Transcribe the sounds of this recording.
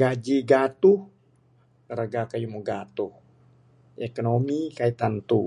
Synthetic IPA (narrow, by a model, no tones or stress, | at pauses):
ɡad͡ʒiɡat̪uh | ɾaɡakajumuɡat̪uh | ekonomikait̪ant̪u